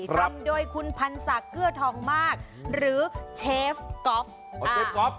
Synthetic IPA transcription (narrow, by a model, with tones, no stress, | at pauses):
t̪a˦˥mdoː˧jkʰu˧npʰa˧nsa˨˩˦kʰːɯ˥˩ɐt̪ʰɔː˩˦ŋmaː˥˩k̚ | ɾɯː˩˦t͡ɕʰeː˦˥fkɔ˦˥p̚ | aeː˧kɔ˦